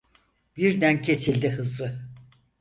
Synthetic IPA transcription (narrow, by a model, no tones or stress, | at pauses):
biɾd̪æncʰe̞silʲd̪iɦɯzɯ